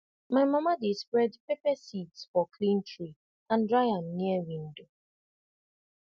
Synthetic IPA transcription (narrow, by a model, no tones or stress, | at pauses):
maɪmamadespɹɛdpepɛsidsfɔkʰlĩntɹi | ãndɹaɪãnniəwĩndo